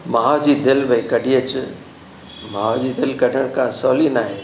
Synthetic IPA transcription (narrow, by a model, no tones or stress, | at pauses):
maːɦad͡ʑiːd̪ɪlbəikɐɖʱiːət͡ɕ | maːad͡ʑid̪ɪlkɐɖʱəɽ̃kʰãsɔːlinaːɦeː